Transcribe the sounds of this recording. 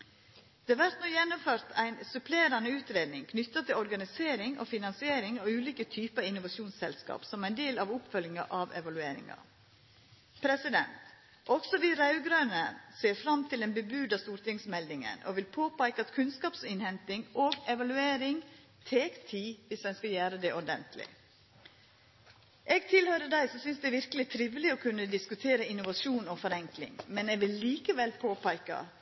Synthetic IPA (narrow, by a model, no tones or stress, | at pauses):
d̪̥ɛːʋæɾt̪nɔjɛnʊmføːɾt̪ʰæɪnsʉpʰleːɾɑnəʉːt̪ɾeːd̪nɪŋkʰnʏt̪ːɑt̪ʰɪlɔɾɡɑnɪseːɾɪŋʔo̰ːfɪnɑnsɪeːɾɪŋɑʋʉːliːkət̪ʰyːpəɪnʊʋɑsuːnsɛlskɑ̰ːpsɔmæɪnd̪eːlɑʋʊpfœljɪŋɑ̰ʔɑʋɛ̰ʋɑlʉeːɾɪ̰ŋɑ̰ | pʰɾɛsɪd̪ɛ̰nt̪ | ʔɔɡsɔʋiːɾɑʉɡɾøːnəseːɾfɾɑmt̪ʰɪlɛːnbəbʉːd̪ɑːst̪uːɾt̪ɪŋsmɛld̪ɪŋə̰nɔ̰ʋɪlpʰoːpæɪkəɑt̪kʰʉnskɑːpsɪnhɛnt̪ɪŋʔoːɡɛʋɑlʉeːɾɪŋ | t̪ʰeːkt̪ʰiːʋɪsd̪æɪskɑjæːɾəd̪ɛʔɔd̪ɛnt̪əlɪ̰ | ʔɛːɡt̪ʰɪlhøːɾəd̪æɪsɔsʏnsd̪ɛʋɪɾkəlɪt̪ʰɾɪʋəlɪɔkʰʉnːəd̪ɪskʉt̪ʰeːɾəɪnʊʋɑʂuːnɔfɔɾɛŋklɪ̰ŋmɛnɛɡʋɪlːiːkəʋɛlpʰoːpʰæɪkə̰